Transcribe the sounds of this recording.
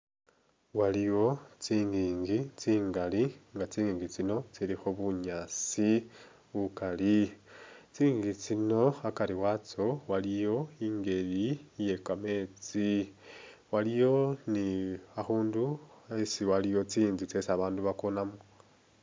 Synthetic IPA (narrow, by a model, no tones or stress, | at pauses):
walijo̞t͡siːŋɡiːŋɡit͡siːŋɡaliŋɡat͡siːŋɡiːŋɡit͡sino̞t͡silixoβuɲaːt͡si | βukali | t͡siːŋɡit͡sino̞akaliwat͡so̞walijo̞iːŋɡe̞lije̞kame̞ːt͡si | walijo̞niaxuːnduasiwalijo̞t͡siːnzit͡sesaβaːnduβakonamo